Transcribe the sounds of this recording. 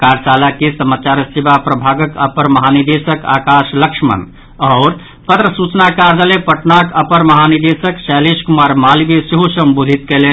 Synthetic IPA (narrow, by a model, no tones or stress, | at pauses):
kaɾsalakesəmat͡ʃaɾsibapɾəbʱaɡəkəpəɾməɦanid̪esəka̰kaʃləkʂmə̰n | ɔːɾ | pət̪ɾəsut͡ʃnakaɾd͡ʒalepəʈnakəpəɾməɦanid̪esəksɛliskumaɾmalibesiɦusəmbod̪ʱit̪kelen